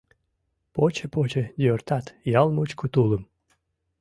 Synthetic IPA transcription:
pot͡ɕəpot͡ɕĕd̪ʲørt̪at̪jɑlˠmut͡ɕkut̪ulˠə̆m

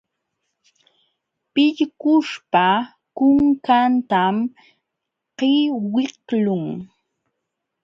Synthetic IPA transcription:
pɪʎkʊʃpa | kʊŋkant̪am | qɪwɪhlʊŋ

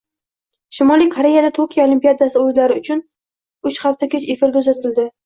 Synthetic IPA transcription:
ʃɪmɒlijkʰoɾe̞jad̪at̪ʰokʲʰijaolimpijad̪asɪojlaɾɪʊt͡ʃʰʊn | ʊt͡ʃχaft̪akʲʰet͡ʃefɪɾkʲʰɵzat̪ʰɪld̪ɪ

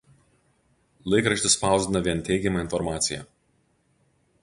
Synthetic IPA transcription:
lˠɐɪkɾɐʃʲt̪ʲɪspɑˑʊzd̪ʲɪnɐʋʲiɛnt̪ʲɛɪɡʲɛmɐɪnfɔɾmɑːt̪sʲɪjɛ̰

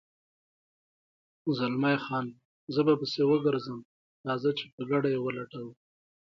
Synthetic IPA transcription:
zalmajxɑn | zəbapəsewəɡəɾzəm | t̪ɑzat͡ʃe̥pəɡaɽajewəlaʈaw

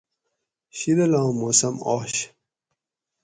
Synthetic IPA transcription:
ɕilɐlɑ̃ːmoːsɐmo̰ːɕ

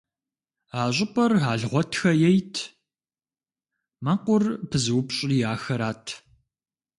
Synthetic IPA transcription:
aːɕ̬ʷʼɪpʼɐraːɮʁʷɔtʰxɐjɛjtʰ | mɐqʷʊrpʰɨzɨwpɕʼijaːxɐɾaːtʰ

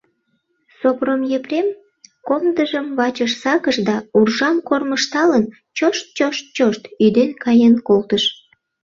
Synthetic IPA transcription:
sopromjeprem | komd̪əʒəmβɑt͡ɕəʃsɑkəʃd̪ɑurʒɑmkorməʃt̪ɑlən | t͡ɕoʃt̪̚t͡ɕoʃt̪̚t͡ɕoʃt̪yd̪enkɑjenkolt̪əʃ

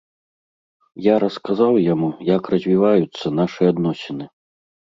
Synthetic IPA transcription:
jaɾɐskazawjamujakrɐzʲvʲivajut̪sːɐnaʂɨad̪nɔsʲɛnɨ

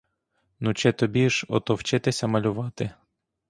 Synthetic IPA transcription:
nut͡ʃɛt̪ɔbʲiʒɔ̰t̪ɔwt͡ʃɪt̪ɪsʲɐmɐlʲʊʋɑt̪ɪ

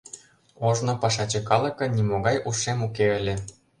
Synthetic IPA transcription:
oʒnŏpɑʃɑt͡ɕɤ̆kɑlˠɤ̆kɤ̆nʲimoɣɑjʔuʃemukeɘ̆lʲĕ

